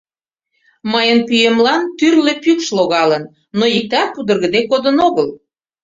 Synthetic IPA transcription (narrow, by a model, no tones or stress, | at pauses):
məjənpyjemlɑnt̪yrlepykʃloɣɑlənː | ojik̚t̪ɑpud̪ə̆rɣə̆d̪ekod̪ənoɣəl